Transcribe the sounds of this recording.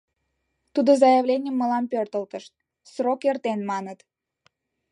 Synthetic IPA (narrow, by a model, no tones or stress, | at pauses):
t̪ud̪ozɑjəβlʲenʲəmːəlɑmpørt̪əlt̪əʃt̪̚ | srokert̪enmɑnət̪